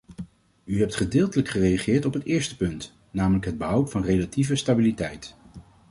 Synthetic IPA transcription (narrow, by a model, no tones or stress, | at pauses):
yɦɛp̚tχədɪːlˠtələkχərejaχɪːɹtɔpɦətɪːɹstə̥pɵnt | naːmələkɦəd̚bəɦʌwtfɑnrejlativəstabilitɛjt